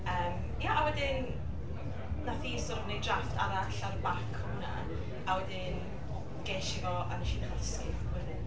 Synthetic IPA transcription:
əːm | jaʔawɛdɪn | nafiːsɔɾəmnejdrafta̰ɾaɬaɾəbakʰhʊna̰ | awɛdɪn | ɡ̥eːʃɪvɔʔa̰naʃinχaskɪ | wɛdɪn

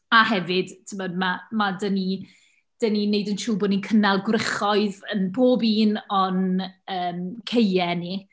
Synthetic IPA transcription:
ahɛvɪd̥tʰəmɔdmamadəni | d̥ənineɨdəntʰuːbɔninkʰənalˠɡwrɪχɔɨðənboːbiːnɔnəːmkʰejɛni

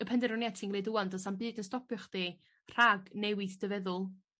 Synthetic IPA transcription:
əpʰɛndɛɾɔnjɛtʰɪŋɡleduwandɔsambɨːdənstɔpʰjʊχd̥i | r̥aɡnɛwɨθd̥əvɛðʊlˠ

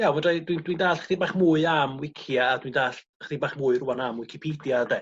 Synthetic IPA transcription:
jamandrajdwindwindaːɬχdiːbaːχmuːɨamwɪkʰjaːdwiːndaːɬ | χd̥iːbaːχmʊːɨrʊwanamwɪkʰɪpʰiːdjadɛ

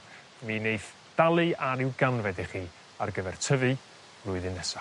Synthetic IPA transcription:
minejθ | d̥alˠɨaɾɪwɡanvɛdiχiː | a̰rɡəvɛrtʰəvɨ̥ | lʊɨðɨnːɛsa

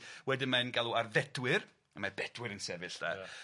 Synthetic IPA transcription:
wɛdɪmanɡalˠuarðɛd̥wɪr | əmabɛd̥wɨɾənsɛvɨɬd̥a̰

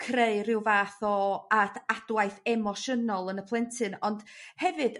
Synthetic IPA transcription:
kʰreɨrɪwvaːθɔatʰad̥wajθɛmɔʃənɔlˠənəpʰlˠɛntʰɨnɔnd̥hɛvɨd̥

